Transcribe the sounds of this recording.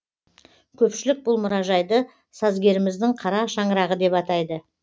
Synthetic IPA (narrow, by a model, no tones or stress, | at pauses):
kʲʰɵpʃɪlɪk̚bʊlˠmʊɾɑʒɑjd̪ə | sɑzɡʲe̞ɾɪmɪzd̪ɪŋqʰɑɾɑʃɑɴəɾɑʁəd̪e̞pɑt̪ɑjd̪ə